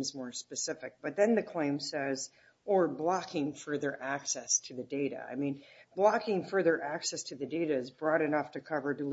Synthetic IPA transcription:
mzmɔɹspɨsɪfɨk̚b̥ʌt̪̚ðɨ̃nðɨkʰl̥ẽɪ̃msɛz | ə˞blɑkʰɪ̃ŋfɜ˞ðə˞ʔæksɛstʰɨðɨdeɪɾɨ̰a̰ɪmĩnb̥lɑkɪ̃ŋfɜ˞ðə˞ʔæksɛstʰɨðɨdeɪɾɨɨzbɹɔɾɨɾɔftʰɨkʰʌvə˞dɨl

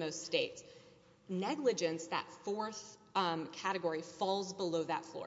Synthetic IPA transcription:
oʊststeɪts | nɛɡlɨd͡ʒɨ̃nsðə̰tfɔɹθkʰæɾɨɡɔɹifɔlˠzbəloʊðə̰tflɔ̰

